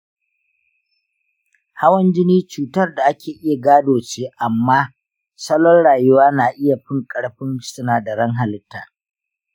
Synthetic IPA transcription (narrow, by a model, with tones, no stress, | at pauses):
ha˦wɐ˦nd͡ʒɪ˦niː˦t͡ʃuː˨tɐ˦rda˨ʔa˦kʲʰeː˨ʔɪ˦ja˨ɡaː˦doː˨t͡ʃeː˦ʔa˨mːaː˦ | sɐ˦lɔ˦nɽaː˨jʊ˦waː˦naː˨ʔɪ˦ja˨ɸɪ˦ŋkʼɐ˦ɽɸɪ˦nsʊ˦naː˨da˨ɽɐ˦ŋɦa˨lɪ˦tːaː˨